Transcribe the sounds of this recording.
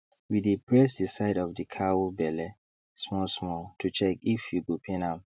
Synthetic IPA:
widipʰɹɛsdisaɪdɔvdikʰawobɛlɛ | smɔsmɔtʰut͡ʃɛkifjuɡopʰɛ̃nãm

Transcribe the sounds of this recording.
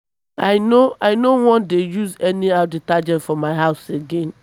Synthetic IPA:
aɪnoaɪnowɔ̃ndejuzɛniaʊditad͡ʒɛtfɔmaɪɦaʊseɡẽn

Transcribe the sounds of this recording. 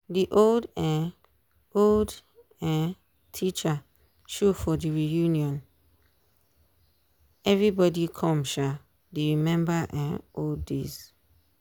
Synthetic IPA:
diʔoldãn | old | ãn | tʰit͡ʃa | ʃufɔdiɹijunjɔ̃n | ɛvɹibɔdikʰɔ̃mʃa | deɹimɛ̃mbaʔãnoldːḛz̥

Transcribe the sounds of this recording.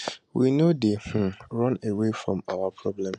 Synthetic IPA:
winodeh̩ɹɔ̃newefɾɔ̰̃mawapʰɹɔblɛ̃m

